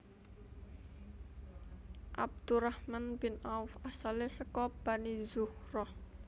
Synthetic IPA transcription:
ʔab̚d̪̥urahmanb̥ɪnʔaufasalesəkɔb̥anizuhrɔh

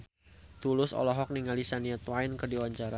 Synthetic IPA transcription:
t̪ulʊsɔ̰lɔɦɔk̚niŋalisaniat̪wajnkɨrdiwaɲt͡ʃaɾa

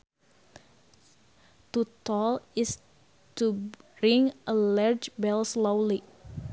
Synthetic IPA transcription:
t̪ut̪ɔlɪs | tuɹĩŋʔəlaɹd͡ʒbɛlslowli

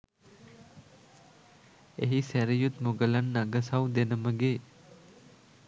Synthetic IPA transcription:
eɦisæɾijut̪moɡəlanːaɡəsawd̪enəməɡeː

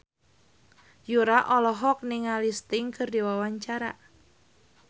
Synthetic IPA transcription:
juɾaʔɔlɔɦɔk̚nɪŋalist̪ɪŋkɨrdiwawaɲt͡ʃaɾa̰

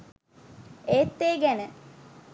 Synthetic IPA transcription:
eːt̪ːeːɡænə

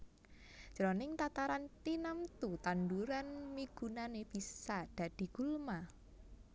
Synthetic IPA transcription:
d̥ʒ̥əɾɔnɪŋt̪at̪aɾant̪inamt̪ut̪anduɾanmiɡ̥ṳnaneb̥isad̪̥a̤d̪̥i̤ɡ̥ulma

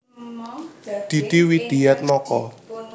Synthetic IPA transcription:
d̪̥i̤d̪̥iwid̪̥ijɛt̪̚lɔkɔ

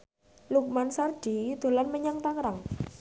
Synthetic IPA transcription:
luk̚mansard̥i̤d̪̥o̤lanməɲaŋt̪aŋɾaŋ

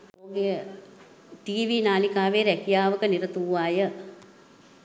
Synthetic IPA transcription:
oːɡejə | ʈiːʋinaːlikaːʋeːɾɛkijaːʋəkəniɾət̪uʋʋaːjə

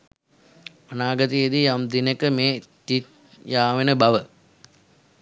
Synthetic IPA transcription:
ɐnaːɡɐt̪ied̪ijamd̪inekəmeːt̪it̪ | jaːʋenəbɐʋə

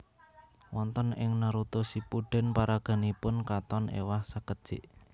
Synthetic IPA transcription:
wɔnt̪ənɪŋnaɾut̪usipuɖ̥ɛ̤npaɾaɡ̥a̤nipʊnkat̪ɔnḛwahsəkəd̥ʒ̥ɪʔ

